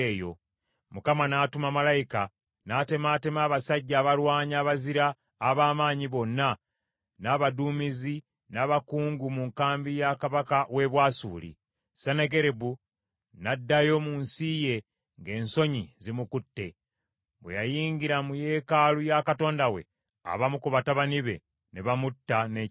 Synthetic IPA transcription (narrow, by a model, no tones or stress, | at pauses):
ejo̞̰ | mukamanaːtumamalajika | nate̞maːte̞maːβasaɟːaːβalwaːɲaːβaziɾaː | βaːmaːɲiβo̞nːa | naβaduːmizi | naβakuːŋɡumuŋkaːmbijakaβakawe̞βwaːsṵːlḭ | saneɡe̞ɾebu | nadːajo̞munsije̞ | ŋɡe̞ːnso̞ɲizimukutːe̞ | βwḛjajiːŋɡiɾamuje̞ːkalujakato̞ːndawe̞̰ | a̰βamukuβataβaniβe̞̰ | neβamutːane